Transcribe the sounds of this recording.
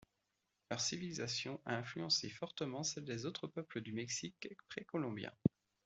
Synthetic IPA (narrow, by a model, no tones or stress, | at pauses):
lœʁsivilizasjɔ̃ʔaɛ̃flyɑ̃sefɔʁt̪əmɑ̃sɛld̪ezot̪χəpœpləd̪ymɛksikpχekɔlɔ̃bjɛ̰̃